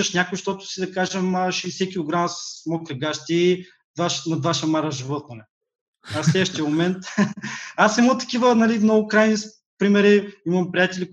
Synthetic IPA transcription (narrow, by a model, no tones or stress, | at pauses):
ɐʃnʲakʊiʃt̪ɔt̪ʊ̥sid̪ɐkaʒɛmɐʃɛsɛkʲilˠoɡɾaməsssmɔkɾɛɡaʃt̪ʲi | d̪vaʃnɐd̪vaʃɛmaɾɐʒivɔt̪̚nɐnɛ | aslɛd̪vəʃt̪iɛmomɛnt̪ | asɛmət̪ɐ̥kʲivənɐlimnɔɡʊkɾajnis | pɾimɛɾiimɐmpɾijat̪ɛli